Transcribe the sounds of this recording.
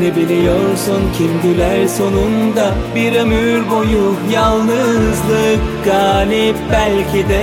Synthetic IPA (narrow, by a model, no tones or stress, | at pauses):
nibilʲijoɾsuncʰimd̪ilʲæɾso̞nund̪abiɾemyɾɡojujalˠnɯzlˠɯkɡaːlʲipbælʲcʰid̪ɛ